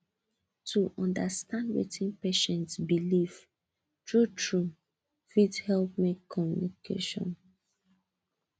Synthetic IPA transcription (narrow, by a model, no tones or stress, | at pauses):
tʰuʔɔ̃ndəstʰãndwḛtʰĩnpeʃɛ̃ntsbiliv | tɹutʰɹu | fidhɛlp̚mekʰːɔmjṵnikʰḛʃɔ̰̃n